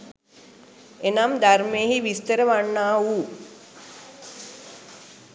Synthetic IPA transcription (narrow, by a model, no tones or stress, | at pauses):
enamd̪aɾmeːɦiʋist̪əɾəʋanːaːuː